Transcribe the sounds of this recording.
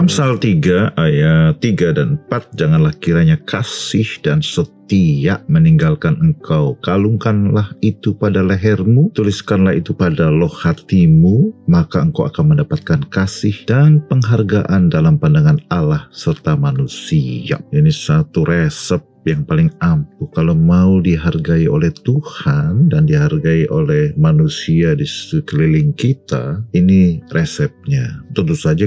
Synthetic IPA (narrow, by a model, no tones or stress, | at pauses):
amsalt̪iɡaʔajat̪iɡadanəpat̪̚d͡ʒaŋanlahkiɾaɲakʰasɪhdansət̪iaʔməniŋɡalkanəŋkʰawkaluŋkanlahit̪upadaləɦɛrmut̪uliskanlahit̪upadalohhat̪imumakaəŋkawa̰kanməndapat̪̚kankasɪhd̥anpəŋɦarɡaʔandalampandaŋanalahsərt̪amanusia̰inisat̪uɾɛsəp̚jaŋpalɪŋampukalomaudiɦarɡaio̰lɛht̪uhandandiɦarɡaiʔolɛhmanusiadisi̥t̪ukəlilɪŋkit̪a̰inirɛsɛp̚ɲat̪ənt̪usad͡ʒa